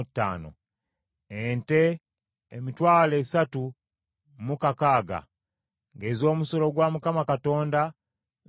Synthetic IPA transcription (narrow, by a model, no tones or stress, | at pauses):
tːa̰ːno̰ | ente | emitwaːle̞ːsatu | mukakaːɡa̰ | ŋɡe̞ːzo̞ːmuso̞lo̞ɡwamukamakato̞ːnda